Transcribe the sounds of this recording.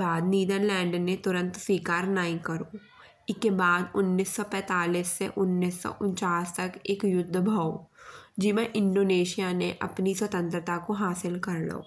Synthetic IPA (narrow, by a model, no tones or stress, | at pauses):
baːd̪̚niːd̪ənlɛ̃ːɳɖnːet̪ʊɾə̃nt̪swiːkaːɾnaːĩkɐɾo | ɪkebaːd̪ʊnːiːsːɔpɛ̃ːt̪aːliːsːeʔʊnːiːsːɔ̰ʔʊ̃nt͡ʃaːst̪ɐkeːkjʊd̪ʱːbʱaod͡ʒimẽʔɪ̃ɳɖoːneːʃijaneʔɐpniswɐt̪ə̃nt̪ɾət̪akoɦaːsɪlkɐɾla̰oː